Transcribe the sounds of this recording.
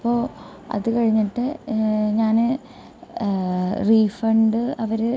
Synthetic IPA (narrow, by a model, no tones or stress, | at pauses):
ɐpːo̞ː | ɐ̰ðɨkɐɻiɲːiʈːɨɲaːnɨ | riːfɐɳɖɨɐʋɐɾ